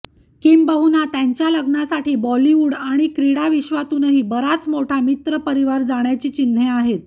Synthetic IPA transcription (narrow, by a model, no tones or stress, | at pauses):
kimbəɦunat̪jaɲt͡ɕjaləɡnasaʈiːbɔliʋuːɽaɽ̃ikɾiɽaʋiɕʋat̪uːnəɦiːbəɾat͡smoʈʰamit̪ɾəpəɾiʋaɾd͡zaɽ̃jat͡ɕiːt͡ɕin̤eaɦet̪